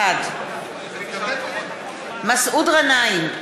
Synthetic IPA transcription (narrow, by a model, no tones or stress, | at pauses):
ad | masud̪ʁanajin